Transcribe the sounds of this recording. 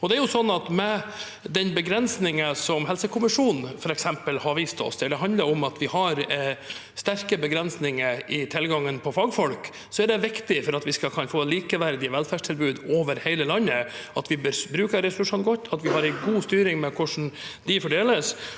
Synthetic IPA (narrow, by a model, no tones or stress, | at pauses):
ɔd̪ɛæɾjʊsɔnːɑt̪mɛ | d̪ɛnbəɡɾɛnsnɪŋəsɔmɦɛlsəkʰʊmɪʂuːnnfɔɾɛksɛmpəlhɑɾʋiːst̪ɔ̰sd̪ɛɖ̪ɛɦɑnd̪ləɾɔmɑt̪ʋɪhɑɾ | st̪æɾkəbəɡɾɛnsnɪŋəɪt̪ʰɪlɡɑŋːənpʰɔfɑːɡfɔlk | sɔæɖɛʋɪkt̪ɪfɔɾɑt̪ʋɪskɑlkʰɑnfoːliːkəʋæɾd̪ɪəʋɛlfæːʂʈʰɪlbʉːd̪oːʋəɾhæɪləlɑnːəɑt̪ʋɪbøɾbɾʉːkəɾɛsʊlʉʂuːnɡɔt̪ːɑt̪ʋɪɦɑɾɛɪɡuːst̪yːɾɪŋmɛkʰʊʂn̩d̪ɪfɔɖeːləs